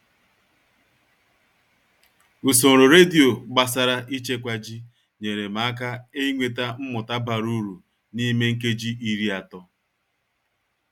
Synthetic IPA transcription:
u˨so˨ɾʊ˨ɾe˦di˨o˨ɡ͡ba˨s̬a˦ɾa˦ʔi˦t͡ʃe˦kʷa˦d͡ʒi˦ | ɲe˨ɾe˨ma˨a˦ka˦e˦i˦ŋʷe˨ta˦m̩˦mʊ˨ta˦ba˨ɾu˦ɾu˨ | ni˦me˦ŋ̩˦k̬e˦d͡ʒi˦i˦ɾi˦a˨tɔ˦

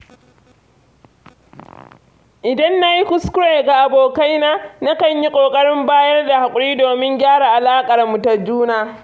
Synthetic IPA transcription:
ʔɪ˨dɐ˦nːa˦ji˦kʊ˦skʊ˦ɽeː˨ɡa˨ʔa˨boː˨ka˦jnaː˦na˦kɐ˨ɲji˦kʷʼoː˨kʼɐ˦ɽɪ˦mbaː˦jɐ˦rda˨ha˨kʷʼʊ˨ɽiː˦doː˨mɪ˦ŋɡʲaː˦ɽa˨ʔa˨laː˦kʼɐ˨rmu˨ta˨d͡ʒuː˦naː˨

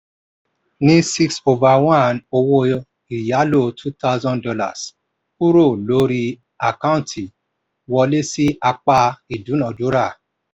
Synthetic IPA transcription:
nĩ˦si˦kso˧va˨wã˦˨no˧wo˧ | i˨ja˨˦lo˦˨tʰu˦ta˦ʊzɔ̃˦ndɔ˧la̰˨s | pu˦ɾo˦˨lo˨˦ɾi˧ | a˨ka˦ũ˦˨ntʰi˨ | wɔ˧le˦si˦ʔa˧k͡pa˧i˨dũ˨˦nã˨du˨˦ɾa˦˨

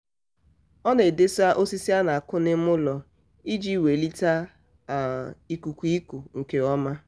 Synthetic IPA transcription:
ɔ˦ne˨de˦sa˦ʔo˦si˦si˦a˦na˨a˨kʊ˦nɪ˦mʊ˦lɔ˨ | i˦d͡ʒi˦˨we˨li˦ta˦ | a˨i˦ku˨kʷu˨˦i˦ku˨ŋ̩˨ke˨ɔ˦ma˦

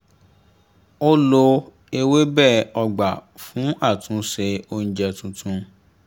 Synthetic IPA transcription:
o˦lo˧ | e˧we˦bɛː˦˨ɔ˧ɡ͡ba˨ | fũ˨˦a˦˨tũ˨˦ʃe˧o˦n̩˦d͡ʒɛ˧tũ˧tʰũ˧

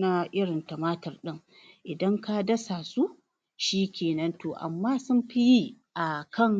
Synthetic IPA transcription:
na˦ʔɪ˦ɽɪ˨ntɐ˨maː˦tɐ˨rɗɪ˦ŋ | ʔɪ˨dɐ˦ŋka˦dɐ˦sa˨su˦ | ʃiː˦kʲeː˨nɐ˦ntoː˨ʔa̰˨mːaː˦sʊ˦mɸi˦ji˦ʔa˨kɐ˦˨ŋ

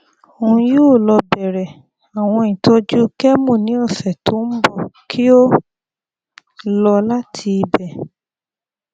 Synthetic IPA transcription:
o˨ũ˧ju˦˨lɔ˧bɛ˨ɾɛ˨ | a˨w̃ɔ̃˧˨ĩ˨tʰo˨˦d͡ʒu˦kɛ˦mũ˦˨nĩ˨˦ɔ˦˨sɛ˨to˨˦n̩˦bɔ˦˨kʰi˦o˦ | lɔ˧la˦tʰi˧bɛ˨

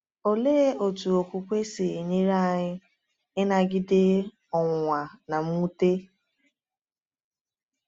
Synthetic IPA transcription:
o˨leː˦o˨tu˨o˨kʷu˨kʷe˦sɪ˨e˨ɲe˦ɾa˦˨ɲɪ˦ | ɪ˦na˨ɡɪ˦dɪ˦ | ɔ˨ŋʷa˨na˨m̩˦u˦te˦

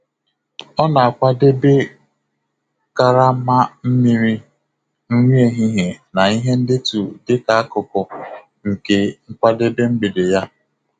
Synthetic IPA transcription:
ɔ˦na˨a˨kʷa˦de˦be˦ | ka˦ɾa˦ma˦m̩˦mi˦ɾi˦ | n̩˦ŋʷi˦e˨ɦi˦ɦe˨na˨i˦ɦe˦n̩˦dɪ˦tu˨dɪ˦ka˨a˦kʊ˨kɔ˨ | ŋ̩˨ke˨ŋ̩˦kʷa˦de˦be˦m̩˦ɡ͡be˨de˨ja˦

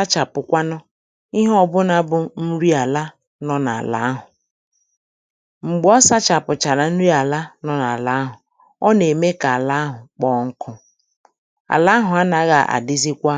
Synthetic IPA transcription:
a˦t͡ʃa˨pʊ˨kʷa˦nɔ˦ | i˦ɦɔ˦bʊ˦na˦bʊ˦n̩˦ɾi˦a˨la˦ | nɔ˦na̰˨la̰˦a˦ɦʊ˨ | ŋ͡m̩˨ɡ͡bɔ˦sa˦t͡ʃa˨pʊ˨t͡ʃa˨ɾa˨n̩˦ɾi˦a˨la˦nɔ˦na˨la˨a˦ɦʊ˨ | ɔ˦ne˨me˦ka˨a˨la˦a˦ɦʊ˨k͡pɔ˦ŋ̩˦kʰʊ˦ | a̰˨la˦ɦʊ˨a˦na˨ɣa̰˨ʔa̰˨dɪ˦zi˦kʷa˦

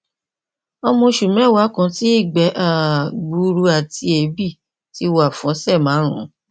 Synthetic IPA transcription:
ɔ˧mɔ̃˧ʃu˨mĩ˨˦ɛ˦˨wa˨˦kã˨˧˦ti˦i˦˨ɡ͡bɛ˨˦ʔa˦˨ɡ͡bu˧˦ɾu˧a˨tʰi˧e˨˦bi˦˨ | ti˦˧wa˨fɔ̃˨˦sɛ˦˨mãː˨˦ɾ̃ṵ̃˨˦

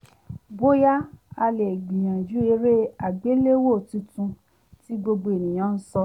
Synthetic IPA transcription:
bo˦ja˦a˧le˨ɡ͡bĩ˨j̃ã˨d͡ʒu˨˦e˧ɾe˦a˨ɡ͡be˨˦le˦wo˦˨tũ˨˧tũ˧ | ti˦ɡ͡bo˧ɡ͡bo˧e˨nĩ˨j̃ã˨˦n̩˦sɔ˧

